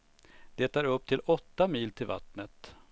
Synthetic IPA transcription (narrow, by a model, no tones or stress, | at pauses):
d̪̥eːt̪ʰaːɾɵp̚ːt̪ʰɪlɔt̪ːamiːlt̪ʰɪlva̰t̪nət̪